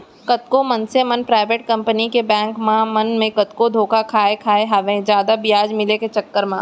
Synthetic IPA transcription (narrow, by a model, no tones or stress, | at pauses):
kɐt̪kõmɐnsemɐnpɾaːɪʋeʈ̚kɐ̃mpənikebɛ̃ːŋkmãmɐnmẽkɐt̪kõd̪ʱoːkakʰaːekʰaːeɦaʋẽd͡ʒjaːd̪abɪjaːd͡ʒmɪleket͡ʃɐkːəɾmã